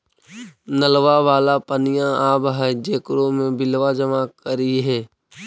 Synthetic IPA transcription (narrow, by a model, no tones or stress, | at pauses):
nəlʋaʋaːlapənɪjãaːbɦɛd͡ʒeːkɾõmẽbɪlʋad͡ʒəmakəɾiɦɛː